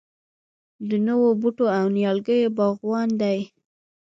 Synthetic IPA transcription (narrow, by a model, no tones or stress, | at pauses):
d̪ənəwobuʈoawnjɑlɡəjobɑɣwɑnd̪aj